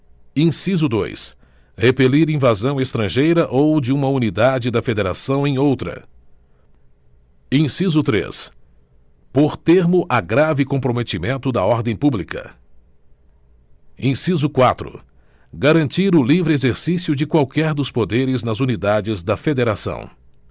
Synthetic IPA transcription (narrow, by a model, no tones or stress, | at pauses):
ĩsizʊd̪o̰js | hepeliɾĩvazɐ̃w̃est̪ɾɐ̃ʒejɾɐʔowd͡ʒɪũmɐunid̪ad͡ʒɪd̪ɐfed̪eɾa̰sɐ̃w̃ẽj̃owt̪ɾɐ̰ | ĩsizʊt̪ɾḛs | poɾt̪eɾmʊʔɐɡɾavɪkõpɾomet͡ʃimẽnt̪ʊd̪ɐɔɾd̪ẽj̃publikɐ̰ | ẽsizʊkwat̪ɾʊ̰ | ɡaɾɐ̃nt͡ʃiɾʊlivɾɪezeɾsisiʊd͡ʒɪkwawkɛɾd̪ʊspod̪eɾɪznɐzunid̪ad͡ʒɪzd̪ɐfed̪eɾasɐ̰̃w̃